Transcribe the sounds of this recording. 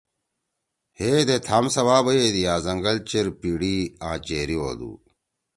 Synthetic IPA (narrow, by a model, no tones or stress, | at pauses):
heːd̪et̪ʰaːmsɐʋaːbɐjed̪iaːzɐŋɡɐlt͡ɕeɾpiːɽiːãːt͡ɕeːɾio̰ːd̪ṵː